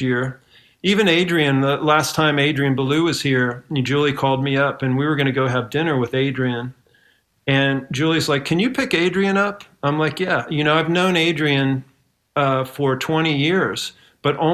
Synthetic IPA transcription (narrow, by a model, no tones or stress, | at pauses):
ɪɹ | ivɨ̃neɪdɹiɨ̃nðəlæstʰãɪ̃meɪdɹiɨ̃nbəlʉwʌz̥hiɹd͡ʒʉlˠikʰɔlˠd̚miʌpɨ̃nwiwə˞ɡʌñɨɡoʊɨvdɪ̃nə˞wɨðeɪdɹiɨ̃n | ɨ̃nd͡ʒʉlˠizlaɪkʰɨ̃njɨpʰɪkeɪdɹiɨ̃nʌp | ãɪ̃mlaɪkjæjɨñoʊaɪvnõʊ̃neɪdɹiɨ̃n | ʌfə˞tʰw̥ɛ̃ɾ̃ijɪɹz̥ | b̥ʌɾʔɔ̃